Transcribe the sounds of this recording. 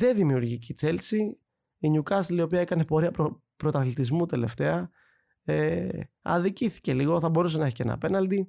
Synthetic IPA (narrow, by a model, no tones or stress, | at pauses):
ðe̞ðimiuɾʝicit͡se̞lsi | iɲukɐst̪lio̞piɐekɐne̞po̞ɾiɐpɾo | pɾo̞t̪ɐθlit̪izmut̪e̞le̞̰ft̪e̞ɐ | eɐ̰ðiciθi̥ce̞liɣo̞θɐbo̞ɾus̬e̞nɐeçi̥cenɐ̰pe̞nɐld̪i